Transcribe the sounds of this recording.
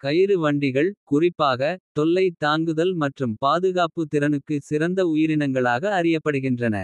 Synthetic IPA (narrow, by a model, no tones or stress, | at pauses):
kɐjɪɾɯʋɐɳɖɪɣɐɭkʊrɪpːaːɣɐt̪ɔlːɐɪt̪aːŋɡɯðɐlmɐʈrɯmpaːðɯɣaːpɯt̪ːɪɾɐnɯkːɯsɪɾɐnd̪ɐʊjɪɾɪnɐŋɡɐɭaːɣɐːrɪjɐpːɐɽɯɣɪndrɐnɐ̰